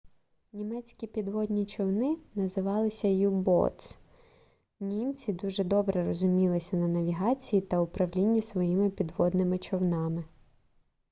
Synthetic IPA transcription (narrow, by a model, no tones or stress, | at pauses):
nʲimɛt͡sʲkʲipʲid̪ʋɔd̪ʲnʲit͡ʃɔwnɪnɐzɪʋɑlˠɪsʲɐjubɔ̰t̪s | nʲimt͡sʲid̪uʒɛd̪ɔbɾɛɾɔzʊmʲilˠɪsʲɐnɐnɐʋʲiɦɑt͡sʲijit̪ɐʊpɾɐʋlʲinʲːisʋɔjimɪpʲid̪ʋɔd̪nɪmɪt͡ʃɔwnɑmɪ